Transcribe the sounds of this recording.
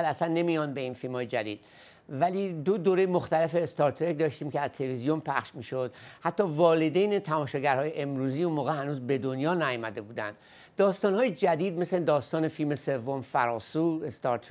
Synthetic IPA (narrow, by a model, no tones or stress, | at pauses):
ælæsænːe̞mijɒnbe̞infilmhɒːje̞d͡ʒæd̪iːd̪̥ | væliːd̪od̪oːɾejmo̞xt̪æle̞fe̞ːst̪ɒːɾt̪ʰɾekd̪ɒːʃt̪iːmcʰeæz̥t̪ʰelevizijo̞mpʰæχʃmiːʃo̞d̪̥hæt̪ʰːɒːvɒːled̪ejnet̪ʰæmɒːʃɒːɟæɾhɒːjeʔemɾuːziːunmoːɣehænuːzbe̞d̪onjɒːnæjɔmæd̪e̞buːd̪æ̰nd̪ | d̪ɒːst̪ɒːnhɒːjed͡ʒæd̪iːd̪me̞sled̪ɒːst̪ɒːne̞filme̞se̞vːo̞mfæɾɒːsuːest̪ɒːɾt̪ʰ